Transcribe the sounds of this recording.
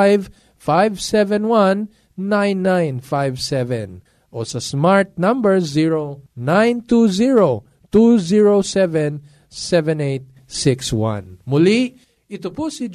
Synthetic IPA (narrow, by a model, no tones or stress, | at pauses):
jv | fajvsɛvɛ̃nwãnː | ãjnːãjnfajvsɛvɛ̰̃n | ʔosɐsmaɹt̪̚nɐ̃mbɛɹziɹonãjnt̪uziɹo | t̪uziɹosɛvɛ̃n | sɛvɛ̃nejt̪̚ | sɪkswã̰nmʊli | ʔɪt̪opusɪd͡ʒ